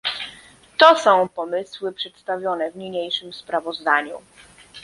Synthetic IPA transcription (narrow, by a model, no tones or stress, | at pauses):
t̪ɔsɔ̃w̃pɔmɘswɘpʂɛt̪st̪avʲjɔnɛvɲiɲejʂɘmspɾavɔzd̪aɲu